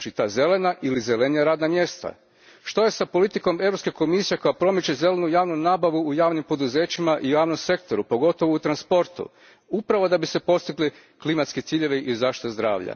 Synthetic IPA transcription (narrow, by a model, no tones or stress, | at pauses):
t͡ʃit̪aːze̞le̞naʔilizelenijaɾaːd̪namje̞st̪a̰ | ʃt̪o̞je̞sapo̞lit̪iko̞meʋɾo̞pske̞ko̞misije̞ko̞japɾo̞met͡ɕe̞ze̞le̞nujaːʋnunaːbaʋuːjaːʋnimpo̞d̪uze̞ːt͡ɕimaʔiujaːʋno̞mse̞kt̪o̞ɾupo̞ɡo̞t̪o̞ʋout̪ɾanspo̞ɾt̪ṵ | upɾaʋo̞d̪abise̞po̞st̪iɡle | klimat̪sket̪siːʎe̞ʋeʔizaːʃt̪i̥t̪azd̪ɾa̰ːʋʎa̰